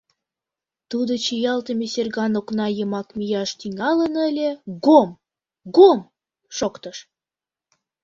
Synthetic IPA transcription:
t̪ud̪ot͡ɕijɑlt̪əmeserɣɑnoknɑjəmɑkmijɑʃt̪iŋɑlənəlʲĕɡom | ɡom | ʃokt̪əʃ

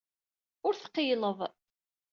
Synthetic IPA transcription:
ʊɾθqːijləðˤ

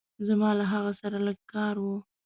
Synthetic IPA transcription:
zamɑlaɦaɣasaɾaləɡ̚kɑɾwu

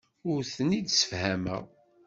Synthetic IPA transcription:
ʊɾθənid̪sə̥fhæmæ̰

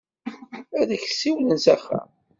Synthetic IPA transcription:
æðæçsiwlənzæxːæ̰

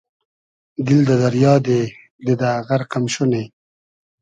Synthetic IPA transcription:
d̪ɪld̪ad̪aɾjɑːd̪e | d̪ed̪aɣaɾqamʃone

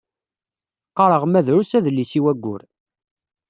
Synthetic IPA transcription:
qːɑɾˤəʁmæðɾusæðəlːisiwæɡʷːʊ̰ɾ

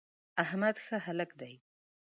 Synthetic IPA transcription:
ahmad̪xəɦaləkd̪aj

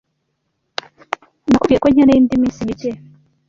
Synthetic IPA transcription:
nakubɡikweɲanejiːndiminsimice

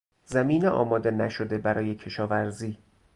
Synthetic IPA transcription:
zæmiːneʔɒ̰ːmɒːd̪e̞næʃo̞d̪e̞bæɾɒːje̞cʰe̞ʃɒːvæɾziː

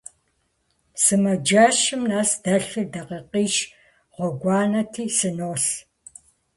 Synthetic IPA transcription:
sɨmɐd͡ʒaʃɪmnaːsd̥ɐɬɨdɐqɐqiːʃ | ʁʷɔɡʷɑːnɐtʰiːsɨnoːɬ

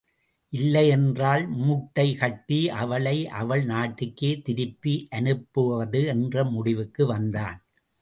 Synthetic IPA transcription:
ʔɪlːɐjɛndraːlmuʈːɐɪkɐʈːiʔɐʋɐɭɐɪʔɐ̰ʋɐɭnaːʈːɯkːeːt̪ɪɾɯpːiʔɐnɯpːɯʋɐðɯɛndrɐmʊɽɪʋɯkːɯʋɐnd̪a̰ːn

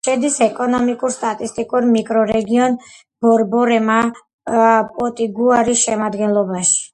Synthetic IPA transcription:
ʃɛd̪isɛkʼɔnɔmikʼuɾst̪ʼat̪ʼist̪ʼikʼuɾmikʼɾɔɾɛɡiɔn | b̥ɔɾbɔɾɛma | pʼɔt̪ʼiɡuaɾisʃɛmad̪ɡɛnlˠɔbaʃi̥

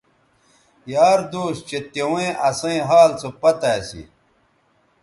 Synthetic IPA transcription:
jaːɾd̪oːɕt͡ɕet̪ewẽʔɐsɐ̃ĩɦaːlt͡sopɐt̪asḭ

